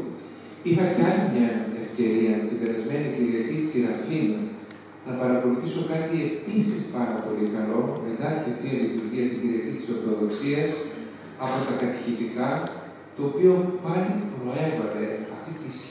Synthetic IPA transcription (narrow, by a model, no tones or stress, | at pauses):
ixɐcɐnimɲɐe̞fce̞ɾiɐmet̪ibe̞ɾɐzme̞niociɾiɐcist̪iɾɐfinɐ | nɐpɐɾɐko̞luθiso̞kɐt̪ie̞pisispɐɾɐpo̞likɐlo̞met̪ɐtiɐft̪iɐðimiuɾʝiɐft̪iɟiɾiɐcit̪i̥so̞ɾθo̞ðo̞ksiɐs | ɐpo̞t̪ɐkɐt̪i̥çit̪ikɐ | t̪o̞ːpio̞pɐɾipɾoe̞vɐɾe̞ɐ̰ft̪it̪is